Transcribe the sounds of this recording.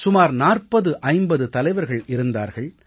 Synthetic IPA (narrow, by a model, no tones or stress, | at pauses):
sʊmaːɾnaːrpɐðɯʔɐɪmbɐðɯt̪ɐlɐɪʋɐɾɣɐɭɪɾɯnd̪a̰ːɾɣɐɭ